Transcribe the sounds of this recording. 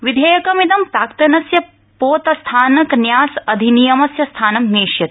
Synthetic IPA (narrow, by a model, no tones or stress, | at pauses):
ʋid̪ʱeːjɐkɐmit̪ɐmpɾaːkt̪ɐnɐsjɐ | poːt̪ɐst̪ʰaːnɐknjaːsɐd̪ʱinijɐmɐsjɐst̪ʰaːnɐmneːʃjɐt̪